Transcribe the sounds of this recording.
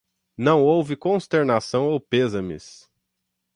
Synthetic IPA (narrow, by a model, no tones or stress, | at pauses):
nɐ̃w̃owvɪkõst̪eɾnasɐ̃w̃owpezɐmɪ̰s